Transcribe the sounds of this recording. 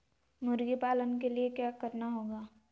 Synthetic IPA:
mʊɾɡipaːlənkeliekjaːkəɾnaɦoːɡaː

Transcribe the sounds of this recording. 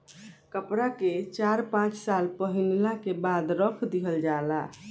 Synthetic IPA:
kəpɾaket͡ʃaɾpãt͡ʃsalpəɦinlakebad̪ɾəkʰd̪iɦəld͡ʒala̰

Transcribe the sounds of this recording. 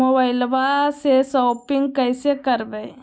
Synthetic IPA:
obaɪlbasesoːpɪŋɡ̚kəɪsekəɾbeː

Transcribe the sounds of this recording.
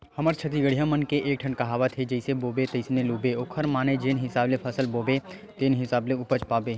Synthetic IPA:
hɐməɾt͡ʃʰɐt̪̬iɡəɽ̤ijãmənkeʔeːk̚ʈʰəɳkɐɦaːʋat̪ʰed͡ʒɐɪseboːbet̪ɐɪsneluːbeoːkʰəɾmaːned͡ʒeːnɦɪsaːblepʰɐsəlboːbet̪eːnɦɪsaːbleʊpət͡ʃpaːbe

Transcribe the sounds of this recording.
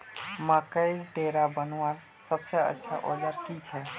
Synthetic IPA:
məkəjɾɖeɾabənaɾ | səbseə̰tːʃʰa̰ʔod͡ʒaɾkit͡ʃʰɛ

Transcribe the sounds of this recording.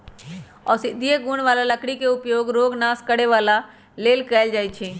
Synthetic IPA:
ɔ̰ːɾsɪd̪ʱijeɡunʋaːlaləkɽikeʊpjoːɡɾoːɡnaːskəɽeʋaːla | leːlkɛɪld͡ʒaːjt͡ʃʰɛ

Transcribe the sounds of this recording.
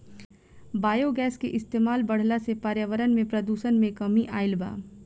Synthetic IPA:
baːjoɡɛːskeʔɪst̪eːmaːlbɐɽ̤lasepaːɾjəʋəɾənmẽpɾɐd̪uːʃənmẽkɐmiʔaːɪlba̰ː

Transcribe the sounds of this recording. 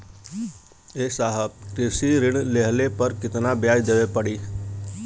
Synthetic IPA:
eːsaːɦəb̚kɾɪsiɾɪɽ̃leɦlepɐɾkɪt̪nabjaːjd̪eːʋepəɽiː

